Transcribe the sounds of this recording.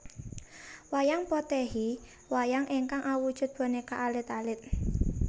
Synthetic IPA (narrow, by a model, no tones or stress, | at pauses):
wajaŋpɔt̪ɛɦi | wajaŋʔeŋkaŋʔawud̥ʒ̥ʊ̤t̪̚b̥ɔ̤nekaʔalɪt̪alɪt̪̚